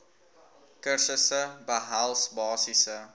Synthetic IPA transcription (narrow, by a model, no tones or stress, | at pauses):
kərsəsəbəɦælˠsbɑːsisə